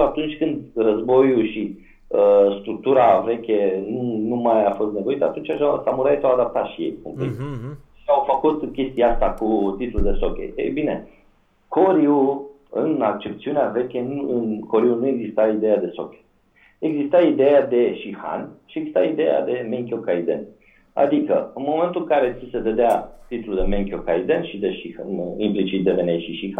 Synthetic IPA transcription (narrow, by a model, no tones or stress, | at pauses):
at̪unt͡ʃʲkɨnd̪rəzbo̞juʃi | əst̪ɾuk̚t̪uɾave̞kʲenunumajafo̞st̪ne̞vo̞it̪əat̪unt͡ʃaʃasamuɾait̪awad̪ap̚t̪at̪ʃijḛjkomplikʃiawfəkut̪kʲe̞st̪iaast̪akut̪it̪ululd̪e̞so̞kʲḛḛjbine̞ | ko̞ɾiu | ɨ̰nak̚t͡ʃe̞pt̪siuneave̞kʲenuɨnko̞ɾiunue̞ɡzist̪aid̪e̞jad̪e̞so̞̰kʲe̥ | eɡzist̪aid̪e̞jad̪e̞ʃixa̰nʃieɡzist̪aid̪eja̰d̪e̞meŋkʲjokaid̪e̞̰n | a̰d̪ikə̰ɨnmo̞me̞nt̪ulɨŋkaɾe̞sise̞ved̪eat̪it̪luld̪e̞meŋkʲjokaid̪enʃid̪e̞ʃiaimplit͡ʃit̪̚d̪evenejʃiʃixa